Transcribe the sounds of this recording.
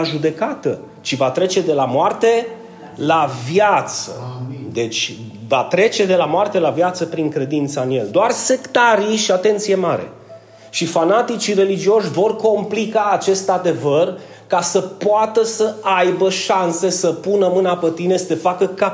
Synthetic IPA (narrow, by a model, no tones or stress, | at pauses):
ʒud̪e̞kat̪ə̰ | t͡ʃivat̪ɾe̞t͡ʃe̞d̪e̞lamoart̪e̞ | lavjat̪sə̰d̪e̞t͡ʃʲvat̪ɾe̞t͡ʃe̞d̪e̞lamoart̪e̞lavjat̪səpɾiŋkɾe̞d̪int̪saɨnje̞ld̪oarse̞kt̪aɾiʃiat̪e̞nt̪sije̞maɾe̞̰ | ʃifanat̪it͡ʃire̞lid͡ʒio̞ʃʲvo̞rko̞mplikaːt͡ʃe̞st̪ad̪e̞vər | kasəpoat̪əsəajbəʃanse̞səpunəmɨnapet̪ine̞sə̥t̪e̞fakəka